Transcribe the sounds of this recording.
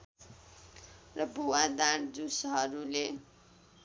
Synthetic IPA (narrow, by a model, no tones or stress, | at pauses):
rʌbʱuwad̪aɾd͡zusʌɦʌɾule